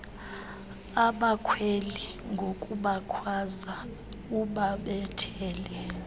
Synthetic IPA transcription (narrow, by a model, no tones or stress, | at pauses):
aɓakʰweli | ŋɡʱokʼuɓakʰwaza | uɓaɓɛtʰɛːlɛ